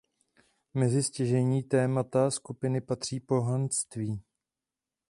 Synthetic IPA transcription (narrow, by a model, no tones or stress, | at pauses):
mɛzɪscɛʒɛɲiːt̪ɛːmat̪askupɪnɪpat̪r̝̥iːpo̞ɦanst̪viː